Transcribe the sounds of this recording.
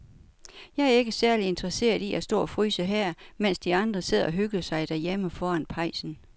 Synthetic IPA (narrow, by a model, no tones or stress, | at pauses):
jɑ̈ɪæɐe̝ɡ̥əsæɐlie̝nd̥ʁɐse̝̰ːɐðˠiʔæsd̥ɔ̰ːɒfʁy̰ːsəɦæɐ̰men̰sd̥iɑ̈nd̥ʁɐse̝ð̞̰ˠɒ̽ɦøɡ̥ɐsɑ̈ɪd̥æɐjeməfɒːænpʰɑ̈ɪ̰sn̩